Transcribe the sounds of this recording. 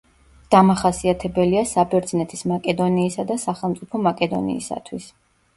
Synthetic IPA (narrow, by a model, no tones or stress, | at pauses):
d̪̥amaχasiat̪ʰɛbɛliasabɛɾd̪znɛt̪ʰismakʼɛd̪ɔniːsad̪asaχɛlˠmt̪sʼipʰɔmakʼɛd̪ɔ̰nḭːsa̰t̪ʰwis